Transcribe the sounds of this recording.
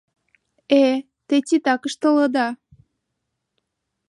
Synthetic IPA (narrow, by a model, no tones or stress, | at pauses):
e | t̪et͡sʲit̪ɑkəʃt̪ə̆lə̆d̪ɑ